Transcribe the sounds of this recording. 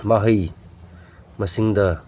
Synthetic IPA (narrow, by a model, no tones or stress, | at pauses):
maɦɐj | mɐsiŋdɐ